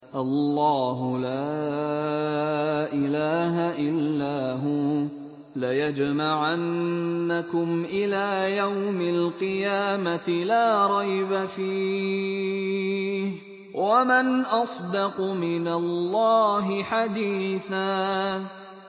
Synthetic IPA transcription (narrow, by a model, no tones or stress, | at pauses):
ʔalːɑːɦʊla | ʔɪlaːɦaʔɪlːaːɦuː | lajad͡ʒmaʕanːakʊmʔɪlaːjawmalqɨjaːmat̪ɪlaːɾˤɑjbafiː | h | wamanʔɑsˤd̪ɑqmɪnalːɑːɦɪħad̪iːθaː